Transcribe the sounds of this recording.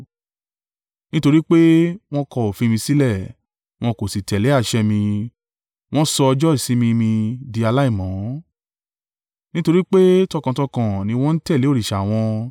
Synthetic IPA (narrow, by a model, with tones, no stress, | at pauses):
nĩ˦to˧ɾi˦k͡pe˦w̃ɔ̃˦kɔ˧o˨fĩ˧mĩ˧si˦lɛ˦˨ | w̃ɔ̃˧ko˨si˨tɛ˨le˨˦a˦˨ʃɛ˧mĩ˧ | w̃ɔ̃˦sɔ˧ɔ˧d͡ʒɔ˦i˦˨si˨˦mĩ˧mĩ˧di˧a˧la˦i˦˨mɔ̃˨˦ | nĩ˦to˧ɾi˦k͡pe˦tɔ˧kã˨tɔ˧kã˨nĩ˧˦w̃ɔ̃˦n̩˦tɛ˦˨le˨˦o˦ɾi˨ʃa˨w̃ɔ̃˧